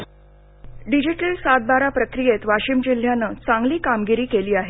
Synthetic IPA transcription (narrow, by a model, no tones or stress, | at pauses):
ɖid͡ʑiʈəlsat̪̚baɾapɾəkɾijet̪ʋaɕimd͡ʑil̤janːəːt͡sãŋɡliːkamɡiɾiːkeliːaɦe